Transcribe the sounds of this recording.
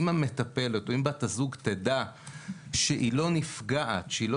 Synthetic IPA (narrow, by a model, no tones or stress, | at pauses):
mame̞t̪ape̞let̪oimbatazuɡt̪eda | ʃeʔilo̞nifɡaʔatʃeilo̞